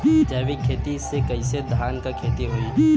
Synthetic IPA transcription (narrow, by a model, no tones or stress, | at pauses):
d͡ʒɛːʋikʰːeːt̪isekɐised̪ʱaːnkakʰeːt̪iɦoːi